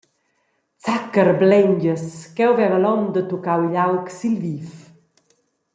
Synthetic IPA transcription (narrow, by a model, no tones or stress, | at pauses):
t͡sakəɾblɛɲd͡ʒəskɛwvɛvəlɔmd̪ət̪ukawiʎawksilvif